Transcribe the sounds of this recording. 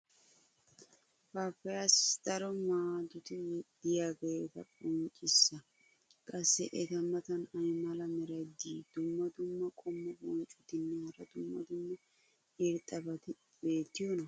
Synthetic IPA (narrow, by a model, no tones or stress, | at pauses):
paːpːɛjasd̪̥ɐɾɔmaːd̪ʊt̪ɪwɛd̪ɪjaːɡe̞ːt̪ɐpʼɔnt͡ʃʼːɪsːɐ | kʼɐsːɛʔɛt̪ɐmɐt̪ɐnɐjmɐlɐmɛɾɐjd̪iːd̪̥ʊmːɐd̪ʊmːɐkʼɔmːɐbɔnt͡ʃʼʊt̪ɪnːɛhɐɾɐd̪ʊmːɐ̰d̪ʊmːɐ | ɪɾt̪ʼːɐbɐt̪ɪ | be̞ːt̪ːɪjonɐ